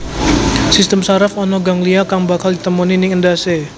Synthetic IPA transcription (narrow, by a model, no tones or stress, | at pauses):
sist̪əmsaɾafɔnɔɡaŋliakaŋbakaldit̪əmuninɪŋəndase